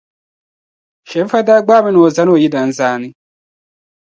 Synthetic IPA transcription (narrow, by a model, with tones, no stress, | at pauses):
ʃe˨˦fa˦da˦ɡ͡baː˦me˦no˨za˦no˦˨ji˦da˨n˦zaː˦ni˦